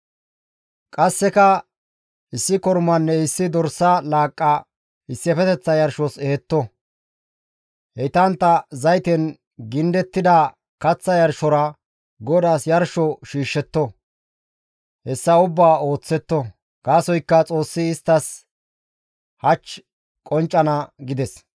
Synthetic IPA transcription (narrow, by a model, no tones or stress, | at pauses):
kʼɐsːɛkɐ | ʔɪsːɪkɔɾmɐnːɛɪsːɪd̪ɔɾsɐlaːkʼːɐ | ɪsːɛfɛt̪ɛt͡sːɐjɐɾʃɔsɛhɛt̪ːɔ | hɛt̪ɐnt̪ːɐzɐjt̪ɛn | ɡɪnd̪ɛt̪ːɪd̪a | kɐt͡sːɐjɐɾʃɔɾɐ | ɡɔd̪aːsjɐɾʃɔʃiːʃːɛt̪ːɔ | hɛsːɐʊbːaːo̞ːt͡sːɛt̪ːɔ | ɡ̥aːsɔjkːɐt͡sʼo̞ːsːɪːst̪ːɐs | hɐt͡ʃː | kʼɔnt͡ʃʼːɐnɐɡɪd̪ɛs